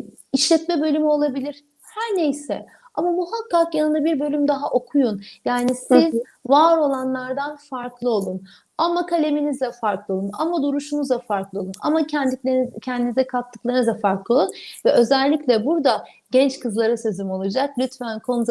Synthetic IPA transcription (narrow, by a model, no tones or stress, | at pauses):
iʃlʲɛt̪mɛbø̞lʲymyo̞lˠabilʲiɾ̥ | hæɾnejsɛ̰ | amamuɦakːakjanɯnd̪abiɾbø̞lʲymd̪aɦaʔo̞kʰujunjaːnisiz | vaːɾo̞lˠanlˠaɾd̪anfaɾklˠɯo̞lˠun | amakʰalʲe̞minizd̪ɛfaɾklˠɯo̞lˠuna̰mad̪uɾuʃunuzd̪afaɾklˠɯo̞lˠuna̰ma | cʰɛnd̪inizɛkʰat̪ʰːɯklˠaɾnɯzd̪afaɾklˠɯunvɛʔø̞zɛlʲːiclʲɛbuɾd̪a | ɟ̥ɛnt͡ʃkʰɯzlˠaɾasezymo̞lˠad͡ʒak̚lʲyt̪fænkʰo̞nu